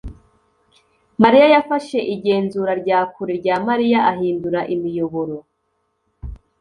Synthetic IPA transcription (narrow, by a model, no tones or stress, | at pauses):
maɾijajafaʃe̞ʔiɟe̞ːnzuɾaɾɟaːkuɾeɾɟaːmaɾijaʔaɦiːnduɾaʔimijo̞βoɾo̞